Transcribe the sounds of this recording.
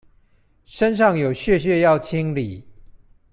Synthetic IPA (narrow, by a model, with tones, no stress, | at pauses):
ʂə˦nʂ̬ɑ˥˨ŋjo˨˩ʊɕɥɛ˥˨ɕ̬ɥɛ˥˧˨jɑ˥˨ʊt͡ɕʰi˦ŋli˨˩˦